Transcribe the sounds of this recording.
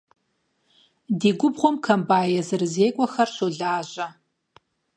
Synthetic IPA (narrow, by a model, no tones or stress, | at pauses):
diːɡʷʊbʁʷɔmkʰɐmbaːjɐzɨrɨzeːkʷʼɔxɐrɕoɮaːʒɐ